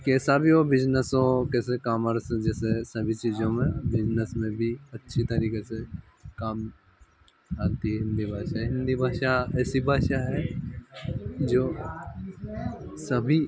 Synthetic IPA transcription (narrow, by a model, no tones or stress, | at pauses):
kiɛːsabʱiobɪd͡ʒnəsõkeːs̬ekaːməɾsd͡ʒɛːsesɐbʱit͡ʃiːzõmẽbɪd͡ʒnəsmẽbʱiɐtːʃʰit̪ɐɾiːkese | kaːm | aːt̪iɦɛɦɪ̃nd̪ibʱaːʃaɛɦɪ̃nd̪ibʱaːʃaɛːsibʱaːʃaɦɛ | d͡ʒoː | sɐbʱi